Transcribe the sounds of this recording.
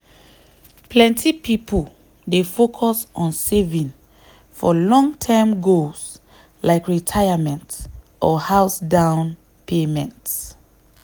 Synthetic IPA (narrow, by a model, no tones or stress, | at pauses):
pʰlɛ̃ntʰipipʰəl | defokʰɔsɔ̃nsevĩn | fɔlɔ̃ŋtʰamɡos | laɪkɹitʰaɪamɛ̃nt | ʔɔhaʊsdãʊ̃n | pʰemɛ̃nts